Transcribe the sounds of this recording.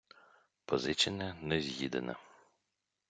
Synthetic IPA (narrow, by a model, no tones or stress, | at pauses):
pɔzɪt͡ʃɪnɛnɛzʲjid̪ḛnɐ̰